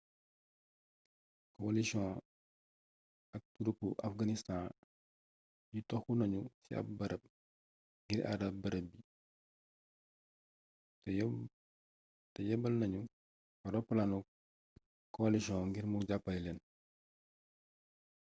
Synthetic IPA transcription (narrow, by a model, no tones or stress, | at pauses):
kɔlisɔ̃ | ɐk̚tuɾupːuʔɐ̰fɡɐnistã | jutɔxunɐɲusiɐ̰b̚bɐɾɐb̚ | ŋɡiɾʔa̰ɾɐb̚bɐɾɐbi | tɐjɛbɐlnɐɲu | wɐɾɔpːlanu | kɔliʃiɔ̃ŋɡiɾmuɟapːɐjlɛn